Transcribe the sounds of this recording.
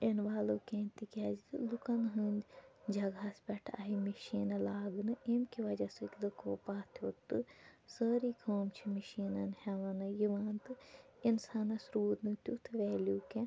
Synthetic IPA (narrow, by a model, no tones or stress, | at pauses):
enʋaːluːkẽːnt̪ikʲad͡ʒt̪ɨlukɐnɦɨndʲd͡ʒɐɡɐspʲɛʈʰa̰ɦimiʃiːnɐlaːɡnɨʔemkiʋɐd͡ʒɐsɨk̪ʲlɨkʰoːpaːt̪ʰjot̪ːɨsəːɾiːkʰoːmt͡ʃʰimiʃiːnɐnhɛʋɐnɨjiʋaːnt̪ɨ | insaːnɐsɾuːd̪nɨt̪ʲut̪ʰʋeːluːkẽ